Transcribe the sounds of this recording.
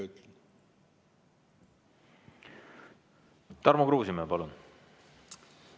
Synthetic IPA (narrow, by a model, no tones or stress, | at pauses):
yt̪lɛn | t̪ɑɾmukruːsimepɑlun